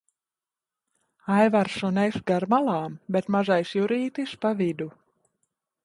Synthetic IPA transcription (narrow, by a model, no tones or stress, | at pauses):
ajvaɾsɔnɛjsɡaɾmalˠɑːmbet̪maʒajsjuɾiːt̪ispavid̪u